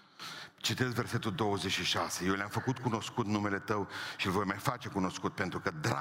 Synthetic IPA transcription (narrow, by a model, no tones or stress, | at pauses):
t͡ʃit̪esve̞rse̞t̪uld̪o̞wəzet͡ʃʃiʃase̞jewlʲamfəkut̪̚kuno̞skut̪nume̞le̞t̪əwʃilvo̞jmajfat͡ʃe̞kuno̞skut̪̚pe̞nt̪ɾukəd̪ɾa̰